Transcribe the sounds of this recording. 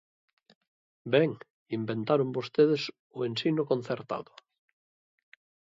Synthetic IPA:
beŋ | imbent̪aɾombost̪eðes | oensinokon̟θeɾt̪a̰ðo

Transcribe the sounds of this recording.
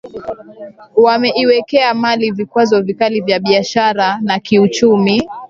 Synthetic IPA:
wamɛiwɛkɛamalivikwazɔvikalivjaɓiaʃaɾanakiut͡ʃumi

